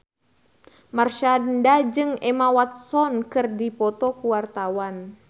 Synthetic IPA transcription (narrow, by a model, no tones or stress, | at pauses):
marʃandad͡ʒɨŋɛmawat̪̚sɔnkɨrdipɔt̪ɔkuwart̪awan